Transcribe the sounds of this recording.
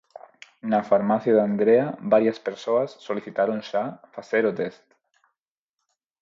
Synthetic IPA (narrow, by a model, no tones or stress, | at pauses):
nafaɾmaθjaðand̪ɾeabaɾiaspeɾsoasːoliθit̪aɾonʃafaseɾot̪est̪